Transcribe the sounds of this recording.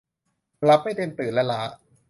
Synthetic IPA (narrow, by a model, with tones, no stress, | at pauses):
la˦˥p̚ːa˥˩de˧nt̪ɯː˨˩nla˦˥laː˦˥ʔ